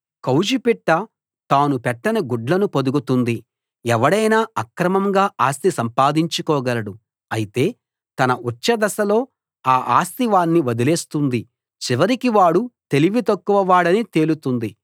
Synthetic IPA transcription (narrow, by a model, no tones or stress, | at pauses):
kɐwd͡ʒipɛʈːɐ | t̪aːnupɛʈːɐnɐɡuɖlɐnupod̪uɡut̪und̪i | ɛʋɐɽɐjnaːɐkɾɐmɐmɡaːʔaːst̪isɐmpaːd̪iɲt͡ʃukɔːɡɐlɐɽu | ɐjit̪e̞ː | t̪ɐnɐʔut͡ʃːɐd̪ɐsɐlo̞ː | aːʔaːst̪iʋaːnːiʋɐd̪ile̞ːst̪und̪i | t͡ʃiʋɐɾikiʋaːɽut̪e̞liʋit̪ɐkːuʋɐʋaːɽɐnit̪e̞ːlut̪und̪i